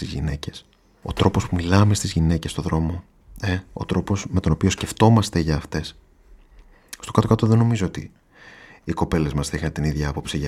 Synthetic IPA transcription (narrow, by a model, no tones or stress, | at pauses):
t̪izʝḭne̞ce̞s | o̞̰t̪ɾo̞po̞spumilɐme̞st̪izʝine̞ce̞st̪o̞ðɾo̞mo̞ | eo̞̰t̪ɾo̞po̞sme̞t̪o̞no̞pio̞sce̞ft̪o̞mɐst̪eʝɐːft̪e̞s | st̪o̞kɐt̪okɐt̪o̞ðe̞no̞mizoot̪ḭ | iko̞pe̞le̞zmɐsθixɐnet̪iniðʝɐɐpo̞psiɐ